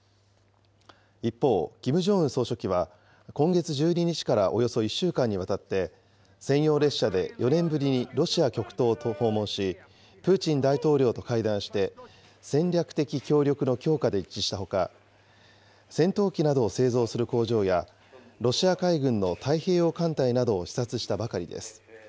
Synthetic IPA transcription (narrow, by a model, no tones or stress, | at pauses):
ipːo̞ːɡ̥ʲimɯ̟ʑo̞ɯ̟̃so̞ːɕo̞kʲiβ̞a | kõ̞ŋɡe̞t͡sɨʑɨːɲ̟iɲ̟it͡ɕi̥kaɾaʔo̞jo̞so̞iɕːɨːkãɲ̟ːiβ̞at̪at̪ːe̞ | sẽ̞ɰ̃jo̞ːɾe̞ɕːad̪e̞̰jʔo̞nẽ̞mbɯ̟ɾʲiɲiɾo̞ɕiakʲo̞kɯ̟̥t̪o̞ːt̪oho̞ːmõ̞ɰ̃ɕi | pɯ̟ːt͡ɕĩnd̪ait̪o̞ːɾʲo̞ːt̪o̞kaid̪ãɰ̃ɕi̥t̪e̞ | sẽ̞nɾʲakɯ̟̥t̪e̞kʲikʲo̞ːɾʲo̞kɯno̞kʲo̞ːkad̪e̞it͡ɕːiɕi̥t̪aho̞ka̰ | sẽ̞nt̪o̞ːkʲinad̪o̞ːse̞ːzo̞ːsɨɾɯ̟ko̞ːʑo̞ːja | ɾo̞ɕiakaiɡɯ̟̃nːo̞t̪ʰaihe̞ːo̞kãnt̪ainad̪o̞ːɕi̥sat͡sɨɕi̥t̪abakaɾʲḭd̪e̞̰sɨ̥